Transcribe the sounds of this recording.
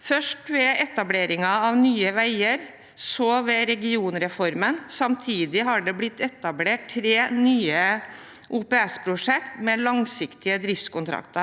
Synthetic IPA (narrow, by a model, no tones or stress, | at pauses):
fœʂʈʋɛɛt̪ɑbleːɾɪŋɑɑʋnyːəʋæɪəɾ | sɔʋɛɾɛɡɪuːnɾɛfɔɾmənsɑmt̪ʰiːd̪ɪɦɑɖɛblɪt̪ːɛt̪ːɑbleːʈtʰɾeːnyːə | ʔuːpɛɛspʰɾʊʂɛkt̪mɛlɑŋsɪkt̪ɪəd̪ɾɪft̪skʊnt̪ʰɾɑ̰kt̪əɾ